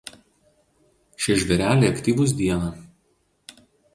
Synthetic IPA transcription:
ʃʲɛʒʲʋʲɛɾʲæːlʲeːɐkt̪ʲiːʋʊs̬d̪ʲiɛnɑ

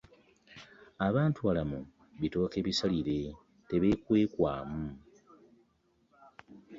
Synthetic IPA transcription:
aβaːntuβalamu | βito̞ːke̞ːβisaliɾe̞ | te̞βe̞kwe̞ːkwa̰ːmu

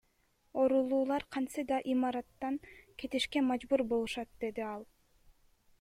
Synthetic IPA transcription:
o̞ɾulˠuːlˠɑɾqʰɑnsɯd̪ɑʔimɑɾɑt̪ːɑŋkʰe̞t̪iʃke̞mɑd͡ʒbuɾbolˠuʃɑt̪̚d̪̥e̞d̪iɑlˠ

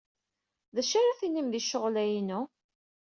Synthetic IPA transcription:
ðæʃaɾaθinimðiʃːəʁlæjinu

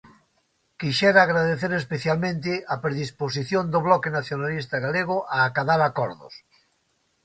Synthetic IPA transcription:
kiʃɛɾaːɣɾaðeθeɾespeθjalmẽnt̪ɪapɾeðispos̬iθjõnd̪oβlɔkenaθjonalist̪aɣaleɣ̞oʔaːkaðaɾakɔɾðo̰s

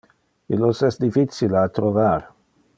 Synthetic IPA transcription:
ilosɛsd̪ifit̪silat̪ɾovaɾ

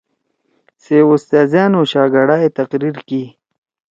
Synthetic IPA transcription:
seʊst̪ɑːzjɑnoɕɑːɡaɽaːjet̪aqɾiɾki

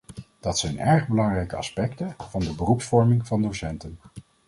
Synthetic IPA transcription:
d̥ɑtsɛjnɛɹχbəlɑŋrɛjkəɑ̰spɛktəv̥ɑndəbərupsfɔɹmɪŋvɑndosɛntən

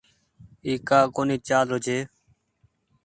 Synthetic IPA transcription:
iːkaːkoːniːt͡ʃaːlɾod͡ʒeː

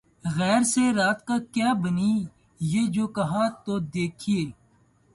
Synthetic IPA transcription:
ɣɛːɾseɾaːt̪kaːkjaːbəniː | jeːd͡ʒoːkɐɦaːt̪oːd̪eːkʰieː

